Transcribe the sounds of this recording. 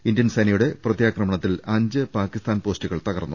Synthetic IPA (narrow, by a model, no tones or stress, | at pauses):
indjɐnsɐnɐjuɽe̞prɐt̪jaːkrɐmɐɳɐt̪ːilɐɲd͡ʑɨpaːkːist̪aːnpo̞ːstuɣɐɭt̪ɐɣɐrnːṵ